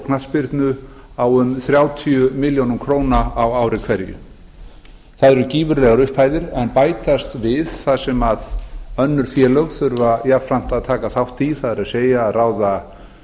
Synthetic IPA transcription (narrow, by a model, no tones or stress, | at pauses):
kʰnaspɪɾt̪nʏ | awʏmθɾjaːwt̪ʰiʏmɪljonʏmkʰɾoːwnaawaːwɾɪkʰvɛɾjʏ̰ | θaðɛɾʏciːvʏɾlɛɣaɾʏhphaːjðɪɾɛnpaːjt̪ast̪vɪðθaðsɛmaðœnːʏɾ̥θjɛlœɣθʏɾvajafɾam̥t̪aðt̪ʰaːkaθawht̪iθaðɛɾaðseːjaːðraːwða